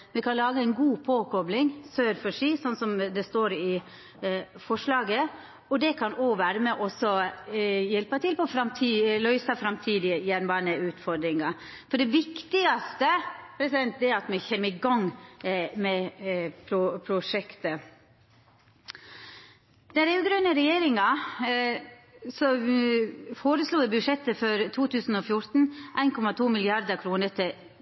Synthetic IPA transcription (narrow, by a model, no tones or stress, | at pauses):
mɛkʰɑnlɑːɡəæɪnɡuːpʰoːkʰɔblɪŋsøːɾfɔʂiːsɔnːsɔmd̪ɛst̪oːɾɪ | fɔʂɭɑːɡə | ɔd̪ɛkʰɑnoːʋæːɾəmɛʔɔsɔ | jɛlpət̪ʰɪlpɔɔfɾɑmt̪ʰiːlœʏsɑfɾɑmt̪ʰiːd̪ɪjɛnʋɑɳəʉːt̪fɔɾd̪ɾɪŋɑ | fɔɖɛʋɪkt̪ɪɑst̪əpʰɾɛsɪd̪ɛnt̪̚d̪ɛæɑt̪mɛçɛmːəɪɡɑŋ | mɛpʰɾʊpʰɾʊʂɛkt̪ə | d̪̥ɛɾɛʉɡɾœnəɾɛjeːɾɪŋɑ | sɔ | foːɾəsluːʋɛbʉʂɛt̪ːəfɔɾt̪ʰuːt̪ʰʉːsn̩ɔfjʊɾt̪n̩ʔæɪnkʰɔmɑt̪ʰuːmɪlɪɑɾd̪əkʰɾuːnəɾt̪ʰɪ